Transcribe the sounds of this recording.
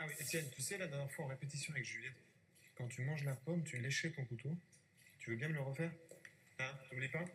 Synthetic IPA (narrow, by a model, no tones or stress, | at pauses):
awiʔet̪jɛnt̪ysɛlad̪ɛʁnjɛʁfwaɑ̃ʁepet̪isjɔ̃avɛkʒyljɛd̪ | kɑ̃t̪ymɑ̃ʒlapɔmt̪yleʃɛt̪ɔ̃kut̪o | t̪yvøbjɛ̃mələʁəfɛːʁ | ãubliepa